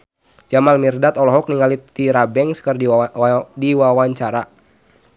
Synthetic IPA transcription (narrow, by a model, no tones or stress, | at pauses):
d͡ʒamalmirdat̪ɔlɔɦɔk̚niŋalit̪iɾabɛŋskərdidiwawaɲt͡ʃaɾa